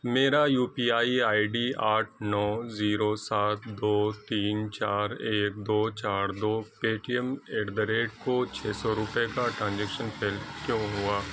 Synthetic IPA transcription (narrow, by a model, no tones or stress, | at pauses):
meːɾajuːpiːaːiaːiɖiːaːʈʰnɔːziːɾosaːt̪ʰd̪oːt̪iːnt͡ʃaːɾeːk̚d̪oːt͡ʃaːɾd̪oːpeːʈijəmeːɖd̪əɾeːʈkot͡ʃʰeːsɔɾʊpekaʈɾãːnd͡ʒɛkʃənpʰeːlkjõːɦuaː